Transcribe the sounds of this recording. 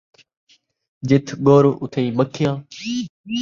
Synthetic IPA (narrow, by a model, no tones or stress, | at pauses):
d͡ʒɪt̪ʰɠoːɾʊt̪ʰeĩːɓəkʰɪjãː